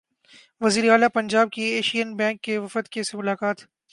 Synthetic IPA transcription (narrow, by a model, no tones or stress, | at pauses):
ʋɐziːɾeaːlapɐ̃ɲd͡ʒaːb̚kieːʃijənbɛ̃ːŋkːeʋɐfət̪kesemʊlaːkaːt̪